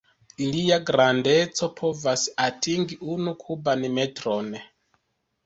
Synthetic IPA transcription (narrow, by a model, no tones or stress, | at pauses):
iliaɡɾandet͡sopʰovasiatiŋɡiʔunukʰubanimetɾone